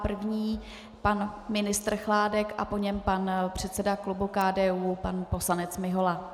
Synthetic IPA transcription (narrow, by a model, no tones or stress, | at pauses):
pr̩vɲiː | panmɪnɪst̪r̩xlaːdɛkʔa̰po̞ɲɛmpanpr̝̥ɛt̪sɛdaklubukaːdɛːuːpanpo̞slanɛt͡smɪɦola